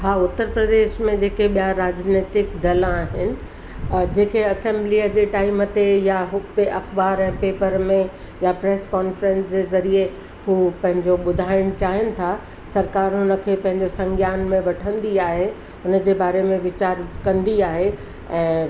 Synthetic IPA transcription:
ɦaːʊt̪ːəɾpɾɐd̪eːʃmẽd͡ʑeːkeɓijaɾaːd͡ʑneːt̪ɪkd̪ɐlaːɦɪnɪ̆ | d͡ʑeːkeɐsẽmbliːəd͡ʑeːʈaːimət̪ejaɦʊpeʔɐxbaːɾɛ̃ːpeːpəɾmẽ | japɾeːskɔːnfɾɛ̃nsd͡ʑezɐɾie | ɦuːpɐ̃ɦɪ̃ɲd͡ʑoɓʊd̪ʱaːɪɽ̃t͡ɕaːɦɪənɪ̆t̪ʰa | sɐɾkaːɾɦʊnə̆kʰepɐ̃ɦɪ̃ɲd͡ʑosɐ̃ŋɡʱjaːnmẽʋɐʈʰə̃nd̪iaːɦe | ʊnəd͡ʑebaːɾemẽʋɪt͡ɕaːɾkɐ̃nd̪iaːɦe | ɛ̃ː

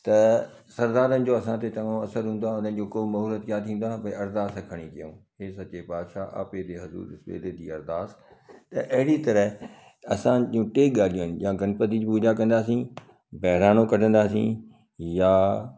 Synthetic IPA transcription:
t̪ɐ | sɐɾd̪aːɾənɪ̆d͡ʑoːɐsãt̪et̪ɐ̃ŋõɐsəɾɦũːnd̪waʊnənɪ̆d͡ʑoːkoːmɐɦɾət̪kjaːt̪ʰĩːn̆d̪waːpɐiɐɾd̪aːsãkʰɐɽ̃ikijõ̰ːɦeːsɐt͡ɕepaːd̪ʃaʔa̰ːped̪eɦɐzṵːɾɪsbḛːd̪ed̪iːɐɾd̪aːst̪ɐʔɐɦɪɽit̪ɐɾəɦ | ɐsãd͡ʑjũʈeːk̚ɠaːl̤iõnɪjãɡɐnpət̪id͡ʑpuːd͡ʑakɐ̃nd̪aːsĩ | bɛɦɾaːñokɐʈə̃nd̪aːsḭ̃ | jaː

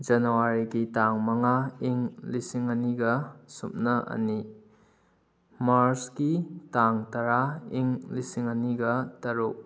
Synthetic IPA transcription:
d͡ʒɐnuwaɾiɡitaŋmɐŋaiŋlisiŋɐniɡɐsup̚nɐʔɐ̰ni | maɾskitaŋtaɾaiŋlisiŋɐniɡɐtɐɾuk̚

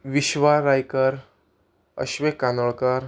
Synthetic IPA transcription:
ʋiɕʋaɾajkəɾ | ə̰ɕʋekːanoɭkəɾ

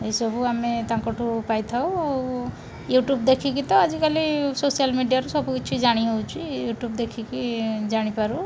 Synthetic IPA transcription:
ejsɔbʱuamet̪aŋkɔʈʰupajt̪ʰawaw | juʈjubd̪ekʰikit̪ɔad͡ʒikalisosijalmiɖijaɾusɔbukiːt͡ʃʰuid͡ʒaɽ̃iɦewt͡ʃʰijuʈjubd̪ekʰikid͡ʒaɽ̃ipaɾu

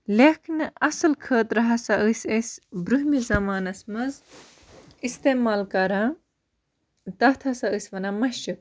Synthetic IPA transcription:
lekʰinɐsɐlkʰəːt̪ɾɐɦɐsaʔɨsɐsbɾuɦmizɐmaːnɐsmɐz | ist̪eːmaːlkɐɾãː | t̪ɐt̪ʰɐsɐɨsʋɐnamɐɕuk̚

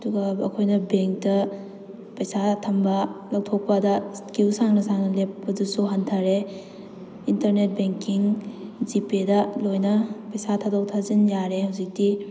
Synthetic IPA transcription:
ɐduɡɐɐkʰojnɐbeŋk̚tɐ | pɐjsatʰɐmbɐlɐw̚tʰok̚pɐdɐskiwsaŋnɐsaŋnɐlepːɐdusuɦɐntʰaɾe | intɐɾnet̚beŋkiŋd͡ʒipedɐlojnɐpɐjsatʰadok̚tʰazinjaɾehɐwzik̚di

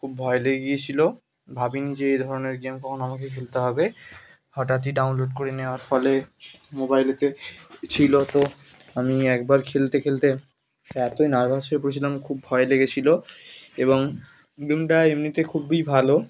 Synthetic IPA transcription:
kʰubːʱɔeleɡeɡijet͡ɕʰilo | bʱabinid͡ʑeejd̪ʱɔɾoneɾɡemkɔkʰonoamakekʰelt̪eɦɔbe | hɔʈat̪̬iɖawnloɖ̚koɾeneoaɾfɔlemobajlet̪et͡ɕʰilot̪o | amiɛk̚baɾkʰelt̪ekʰelt̪e | ɛt̪oinaɾbʱaʃoep̬oɾet͡ɕʰilamkʰubbʱɔeleɡet͡ɕʰiloeboŋ | ɡemʈaemnit̪ekʰubibʱalo

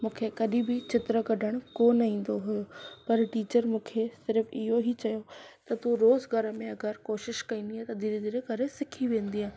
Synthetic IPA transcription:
mũːkʰekɐɗĩbɪt͡ɕɪt̪ɾəkɐɖʱəɽ̃ʊkoːnĩːn̆d̪oɦʊjopɐɾʈiːt͡ɕəɾmũːkʰesɪɾfɪɦoɦit͡ɕɐjot̪ɐt̪uɾoːzɡʱɐɾə̆mẽɐɡəɾkoːʃɪʃkɐĩːnd̪iɦaːt̪ɐd̪ɪld̪ɪɾeɡʱɐɾesɪkʰiʋẽːn̆d̪iɦãɦ

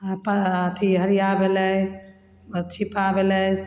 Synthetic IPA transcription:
paət̪ʰiɦəɾijabeləj | bətːt͡ʃʰipabelə

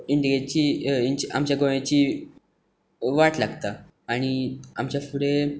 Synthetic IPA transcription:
iɳɖiɡet͡ɕiiɲt͡ɕʔa̰mt͡ɕjaɡoɭ̃at͡ɕiː | ʋaʈlaɡt̪aː | ɽ̃ia̰mt͡ɕjafuɽe

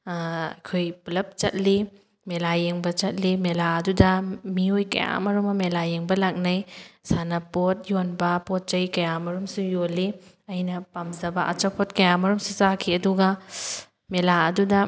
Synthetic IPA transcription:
ɐ̰kʰojpulɐp̚t͡ʃɐ̰t̚li | melajeŋbɐt͡ʃɐt̚limelaɐdudɐmiojkɐ̰ja̰mɐɾumɐmelajeŋbɐlak̚nɐjsanɐpot̚jonbɐpot̚t͡ʃɐjkɐjamɐɾumsujoli | ɐjnɐpamzɐbɐʔa̰t͡ʃɐpʰot̚kɐjamɐɾumsuzakʰiɐduɡɐ | melaɐdudɐ

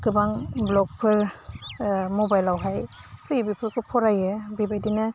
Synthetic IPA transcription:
kɯbaŋblɔk̚pʰɯɾ | mɔbajlawɦajpʰibipʰɯkʰɯpʰɔɾajɯbibajdinɯ

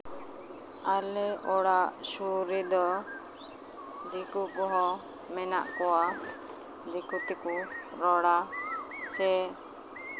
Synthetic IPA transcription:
alɛɔɽaʔsuɾid̪ɔ | d̪ikukɔɦɔ | mɛna̰ʔkɔwa | d̪ikut̪ikuɾɔɽa | t͡ʃɛ

